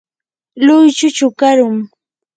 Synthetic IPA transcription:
lʊjt͡ʃʊt͡ʃʊkaɾʊŋ

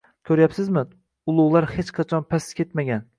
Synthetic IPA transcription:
k̪ʰɵɾjapsɪzmɪ | ʊlˠʊʁlˠaɾhet͡ʃqʰɑt͡ʃʰɒnpʰaskʲʰet̪maɡʲan

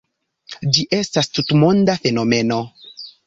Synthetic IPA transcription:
d͡ʒiʔe̞stastutmo̞ndafe̞no̞me̞no̞

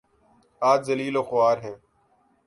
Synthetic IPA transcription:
aːd͡ʒzəliːloːxʊaːɾɦẽː

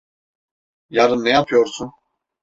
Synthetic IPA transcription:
jaɾɯnnɛjapʰjɔɾsʰu

